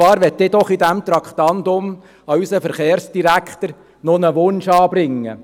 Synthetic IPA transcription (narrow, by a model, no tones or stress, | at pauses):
ɑːɾʋɛt̪ːɪːd̪ɔχid̪æmt̪ɾɑkχt̪ɑnd̪ʊm | ɑysəfəɾχeːɾsd̥iɾækχt̪əɾ | nɔnəʋʊnʃɑːb̥ɾɪŋːə̰